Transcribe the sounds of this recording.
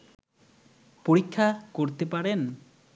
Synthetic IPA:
poɽikʰːakoɾt̪epaɽen

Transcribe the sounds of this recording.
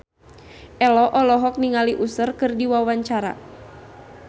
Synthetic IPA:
ʔɛlɔʔɔlɔɦɔk̚niŋaliʔusərkɨrdiwawaɲt͡ʃaɾa̰

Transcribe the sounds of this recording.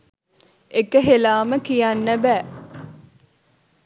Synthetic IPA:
ekəɦelaːməkijanːəbæː

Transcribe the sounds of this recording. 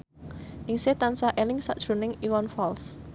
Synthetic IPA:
ʔɪŋset̪ansaʔelɪŋsaʔd̥ʒ̥ɾṳnɪŋiwanfɔls

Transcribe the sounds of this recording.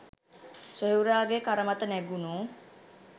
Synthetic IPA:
sojuɾaːɡekaɾəmat̪ənæɡunoː

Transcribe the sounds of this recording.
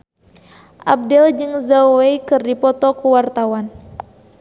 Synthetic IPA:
ʔab̚dɛld͡ʒɨŋzawejkɨrdipɔt̪ɔkuwart̪awan

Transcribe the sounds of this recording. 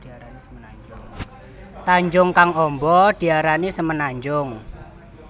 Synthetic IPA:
t̪aɲd͡ʒʊŋkaŋɔmbɔd̪̥i̤aɾanisəmənaɲd͡ʒʊŋ

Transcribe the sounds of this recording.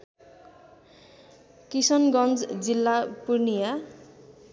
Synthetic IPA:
kisʌnɡʌnd͡zd͡zilːapurnija

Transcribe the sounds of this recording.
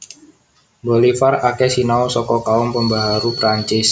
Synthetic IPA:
bolifarakɛsinawsɔkɔkaʊmpəmbaɦaɾupɾaɲt͡ʃɪs

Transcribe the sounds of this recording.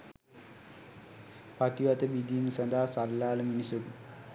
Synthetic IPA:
pat̪iʋat̪əbid̪ʱiːnsɐnd̪aɦasalːaːləminisuku

